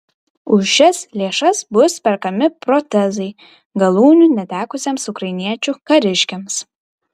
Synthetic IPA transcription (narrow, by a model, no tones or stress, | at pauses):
ʊʃʲɪslʲeːʃɐsbʊspʲɛɾkɐmʲɪpɾot̪ʲɛzɐɪ | ɡɐlˠuːnʲunʲɛt̪ʲæːkʊsʲɛmsukɾɐjnʲiɛt͡ʃʲukɐɾʲɪʃʲkʲɛms